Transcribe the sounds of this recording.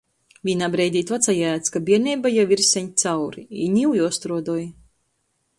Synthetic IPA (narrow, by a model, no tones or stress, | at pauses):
vinabɾɛjd̪ʲiːt̪at̪sajaːt̪skabiɛɾnʲɛːbajaviɾsʲɛɲt̪sawɾiḭɲʲiwjuɔst̪ɾuɔd̪uɔj